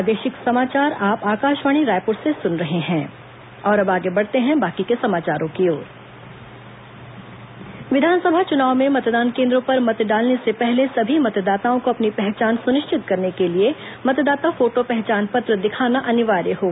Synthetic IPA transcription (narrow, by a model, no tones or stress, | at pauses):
ad̪eːʃɪksɐmaːt͡ʃaːɾaːpaːkaːʃʋaːɽ̃iɾaːjpoːʈsesʊnɾɐɦeɦɛ̃ː | ɔːɾɐbaːɡebɐɽ̤t̪eɦɛ̃baːkikesɐmaːt͡ʃaːɾõkeoːɾ | ʋɪd̪ʱaːnsɐbʱat͡ʃʊnaːʋmẽmɐt̪d̪aːnkẽːnd̪ɾõpɐɾmɐt̪ɖaːlnesepɛɦlesɐbʱimɐt̪d̪aːt̪aõkoɐpnipɛɦt͡ʃaːnsʊnɪʃt͡ʃʰɪt̪kɐɾnekelie | mɐt̪d̪aːt̪afoːʈopɛɦt͡ʃaːnpɐt̪ɾəd̪ɪkʰaːnaʔɐnɪʋaːɾjəɦoː